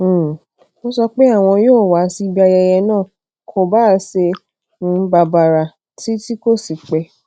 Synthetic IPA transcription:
mo˦sɔ˧k͡pe˦a˦˨w̃ɔ̃˧joː˦˨wa˨˦si˦i˧bi˦a˧jɛ˧jɛ˧nãː˦˨ | kʰo˧baː˦se˧ | n̩˧˦ba˧ba˨ɾa˨ | ti˦ti˦ko˦˨si˨k͡pɛ˧˦

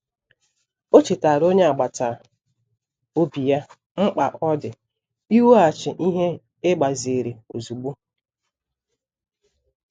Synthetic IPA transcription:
o˦t͡ʃɪ˨ta˨ɾo˦ɲe˦a˨ɡ͡ba˨ta˨ | o˦bi˨ja˦ | ŋ͡m̩˦k͡pa˨ʔɔ˦dɪ˨ | i˦wo˦a˨t͡ʃɪ˨ʔi˦ɦe˦ | ɪ˦ɡ͡ba˨ze˨ɾe˨o˨zu˨ɡ͡bu˦

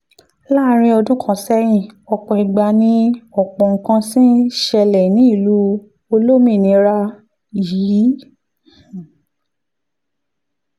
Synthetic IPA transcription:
laː˦˨˦ɾ̃ĩ˧ɔ˧dũ˦kʰɔ̃˦˨sɛ˦j̃ĩ˦˨ɔ˧k͡pɔ˨i˨ɡ͡ba˧˨nĩ˧ɔ˨k͡pɔ˨ŋ̩˨kã˧sĩ˦ʃɛ˧lɛ˨nĩ˨˦i˦˨lu˨˦ | o˧lo˦mĩ˦˨nĩ˨˧˦ɾa˦ | jiː˨˦˨

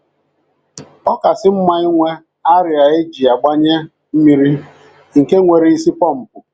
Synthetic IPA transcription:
ɔ˦ka˨sɪ˦m̩˦ma˦i˦ŋʷe˦ | a˦ɾɪ˨a˨e˦d͡ʒi˨a˨ɡ͡ba˦ɲe˦ | m̩˦mi˦ɾi˦ | ŋ̩˨ke˦ŋʷe˨ɾi˦i˦si˦pɔ˦˨m̩˨pʊ˨

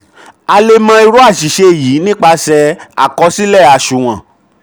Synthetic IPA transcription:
a˧le˧mã˧i˧ɾu˦a˦˨ʃi˨ʃe˧˨jiː˨˦nĩ˦k͡pa˧sɛ˧a̰˨kɔ˧˦si˦lɛ˦˨a˨ʃu˨w̃ã˨

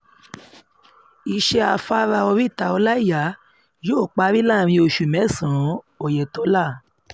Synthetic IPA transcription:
i˨˧ʃɛ˧a˧fa˦ɾa˧ɔ˧ɾi˦˨ta˧ɔ˧la˦i˦˨ja˨˦ | joː˦˨k͡pa˧˦ɾi˦la˦˨ɾ̃ĩ˧o˧ʃu˨mɛ̃˨˦˨sã˨˦ | ɔ˨jɛ˨tɔ˨˦la˦˨

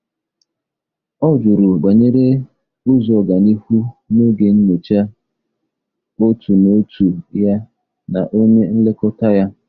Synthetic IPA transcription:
ɔ˦d͡ʒʊ˨ɾʊ˨ɡ͡ba˨ɲe˦ɾe˦ | ʊ˦zɔ˨ɡa˨ni˦hu˦no˦ɡe˨n̩˦me˨t͡ʃa˦ | o˦tʰu˨no˦tu˨ja˦ | na̰˨ʔo˦ɲe˦n̩˦le˦kɔ˦ta˦ja˦

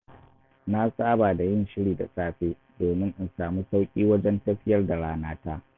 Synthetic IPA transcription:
na˦saː˦baː˨da˨jɪ˦nʃɪ˦ɽiː˨da̰˨sʼaː˦ɸeː˦ | doː˨mɪ˦ŋʔɪ˨nsaː˨muː˦sa˦wkʲʼiː˦wɐ˦d͡ʒɛ˦ntɐ˦ɸɪ˦jɐ˦rda˨ɽaː˦naː˦ta˦

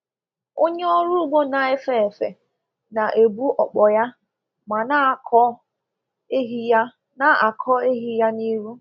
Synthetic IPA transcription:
o˦ɲe˦ɔ˦ɾu˦ɡ͡bo˦na˨e˦fe˨e˨fḛ˨ | na˨ʔe˨bu˦ʔɔ˨k͡pɔ˨ja˦ | ma˨na˦˨kʰɔ˦ | ɦi˦j | na˦a˨kʰɔ˦e˦ɦi˦ja˦ni˦ɾu˦

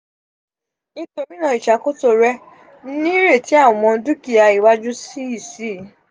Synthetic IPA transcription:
i˧to˧˨mĩ˦nã˧i˨ʃa˨ko˦to˧˨ɾɛ˦ | n̩˦nĩ˦ɾe˦˨ti˦a˦˨ɔ̃˨mɔ̃˧˦du˦ki˨a˧i˨wa˦d͡ʒu˦si˦i˦˨si˦˨˦

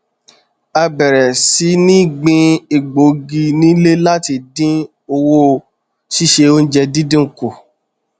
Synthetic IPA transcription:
a˧bɛ˨ɾɛ˨si˨˦nĩ˦˨ɡ͡bĩ˧i˨ɡ͡bo˨˦ɡi˧nĩ˨˦le˦la˦ti˧˨dĩ˦ | o˧wo˦˨ | ʃi˦ʃe˧o˦n̩˦d͡ʒɛ˧dĩ˦dĩ˦˨ko˨

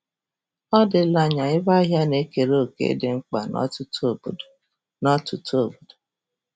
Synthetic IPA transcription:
ɔ˦dɪ˨la˦ɲa˨ɪ˦ba˦ɦja˦ne˦ke˨ɾoo˦˨kḛ˦dɪ˨ŋ͡m̩˦k͡pa˨n̰˦tbo˨d | nɔ˦tʊ˨to˨bo˨do˨

